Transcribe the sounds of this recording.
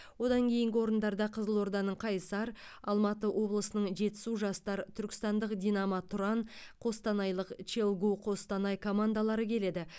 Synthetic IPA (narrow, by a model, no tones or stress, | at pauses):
wo̞d̪ɑŋkʲʰe̞jɪŋɡʲɪo̞ɾənd̪ɑɾd̪ɑqʰəzəlˠwo̞ɾd̪ɑnəɴqʰɑjsɑɾ | ɑlˠmɑt̪əwʔo̞blˠəsənəɴʒe̞t̪ːɪ̥suʒɑst̪ɑɾət̪ʰʏɾkʲɪ̥st̪ɑnd̪əqd̪ʲijnɑmɑt̪ʰʊɾɑnqʰo̞st̪ɑnɑjlˠəqt͡ʃelˠɡuqʰo̞st̪ɑnɑjkʰo̞mand̪alˠɑɾəkʲʰe̞le̞d̪ɪ